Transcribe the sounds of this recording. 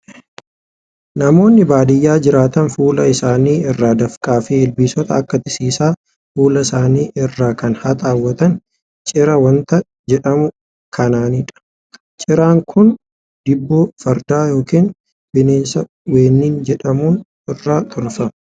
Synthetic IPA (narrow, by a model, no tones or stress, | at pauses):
nɐmo̞ːnːɪbaːd̪ɪjːaːd͡ʒɪɾaːt̪ɐnfuːlɐɪsaːniːɪrːaːd̪ɐfkʼaːfeːɪlbiːsɔt̪ɐɐkːɐt̪ɪsiːsaː | fuːlɐɪsaːniːʔɪrːaːkɐnhɐt̪ʼaːwːɐt̪ɐn | t͡ʃʼɪɾɐwɐnt̪ɐ | d͡ʒɛᶑɐmʊ | kʰɐnaːniːᶑɐ̥ | t͡ʃʼɪɾaːŋkʰʊn | d̪̥ɪbːoːfɐɾd̪aːjo̞ːkiːn | b̥ɪneːnsɐ | weːnːiːnd͡ʒɛᶑɐmuːn | ɪrːaːt̪ʰʊlfɐm